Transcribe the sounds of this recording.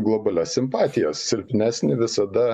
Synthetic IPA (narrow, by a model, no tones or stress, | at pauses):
ɡlˠobɐlʲɛssʲɪmpɑːt̪ʲɪjɛssʲɪlʲpʲɪnʲæːsʲnʲɪʋʲɪsɐd̪ɐ